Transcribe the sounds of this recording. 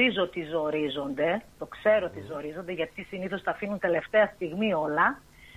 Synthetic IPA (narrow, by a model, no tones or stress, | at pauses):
izot̪izo̞ɾizo̞nd̪e̞t̪o̞kse̞ɾot̪izo̞ɾizo̞nd̪eʝɐt̪isiniθo̞st̪ɐːfinunt̪e̞le̞ft̪e̞ɐst̪iɣmio̞lɐ